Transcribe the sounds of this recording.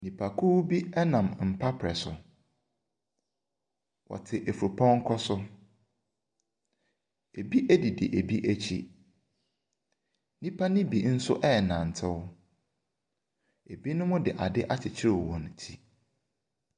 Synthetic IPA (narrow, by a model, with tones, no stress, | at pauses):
nĩ˨pʰa˨kʰu˦bi˦ɛ˦nã˨mm̩˨pʰa˦pʰɾɛ˨sʊ̰˨ | wʔɔ̰˨tʰɪ˨ʔe˨fu˨ɾu˨pʰɔ̃˦ŋ˦kʰɔ˦sʊ˦ | e˨bi˦ʔæ˦di˨dɪ̰˨ʔe˨bi˦ʔæ˦t͡ɕʰḭ˦ | nĩ˦pʰa˦nɪ̃˦bi˨n̩˦sʊ̰˦ʔɛ˦˨nã˨n̩˨tʰɪ˦wʊ˦ | e˨bi˦nʊ̃˦mʊ̃˦dɪ˨ʔa˨dɪ˦ʔa˦t͡ɕʰɪ˨t͡ɕʰɪ˦ɾɪ˦˨wwɔ̃˨n˨tʰi˦